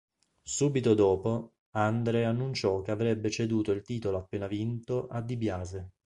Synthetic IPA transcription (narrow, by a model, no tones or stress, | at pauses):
suːbit̪od̪ɔːpo | and̪ɾeanːunt͡ʃɔkeavɾɛbːet͡ʃed̪uːt̪oilt̪iːt̪oloapːeːnavint̪oʔad̪ːibjaːze